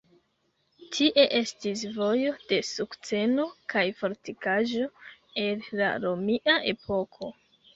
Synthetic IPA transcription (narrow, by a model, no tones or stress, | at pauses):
tʰiʔe̞ʔe̞stisvo̞jo̞d̥e̞sukt͡se̞no̞kajfo̞ɾtikaʒo̞e̞lla̰ɾo̞miʔaʔe̞pʰo̞kʰo̞